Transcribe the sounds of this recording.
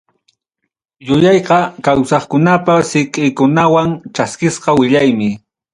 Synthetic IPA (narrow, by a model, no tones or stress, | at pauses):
jʊjɑjqɑkawsɑχkʊnapasɪkʼɪjkʊnawaŋt͡ʃaskɪsqɑwɪʎajmɪ